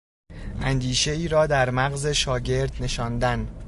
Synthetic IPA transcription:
ʔænd̪iːʃe̞iːɾɒːd̪æɾmæɣze̞ʃɒːɟe̞ɾd̪ne̞ʃɒːnd̪æn

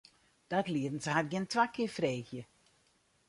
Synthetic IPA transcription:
d̥atliədn̩shadɡɪntʋakɪəfreːxjə

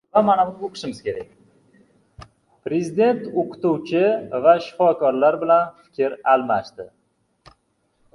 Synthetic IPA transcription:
vamanamnoqʰɨ̥ʃɪmɪz̥kʲʰe̞ɾak̚ʲ | pɾe̞zɪd̪e̞nt̪oqʰɨ̥t̪uwt͡ʃʰɪvaʃɪ̥fɒkɒɾlaɾbɪlanfɪ̥kʲʰɪɾalˠmaʃt̪ɪ

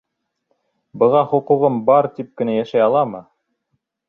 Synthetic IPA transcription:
bɤ̆ʁɑχŏquʁɤmbɑɾt̪ip̚kɘ̆næjæʃæjɑlˠɑmɤ

